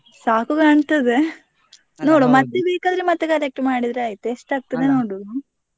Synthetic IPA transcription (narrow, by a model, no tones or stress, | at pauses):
saːkukaːɳt̪ɐd̪e | noːɽomɐt̪ːebiːkaːd̪ɾemɐt̪ːekɐɾek̚ʈmaːɽid̪ɾeaːjit̪ueʂʈaːɡ̚t̪ɐd̪enoːɽu